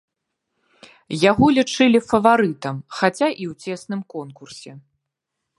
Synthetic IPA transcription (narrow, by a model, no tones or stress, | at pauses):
jaɣɔlʲit͡ʂɨlʲifɐvaɾɨt̪ɐmxat͡sʲaʔiwt͡sʲɛsnɨmkɔnkursʲɛ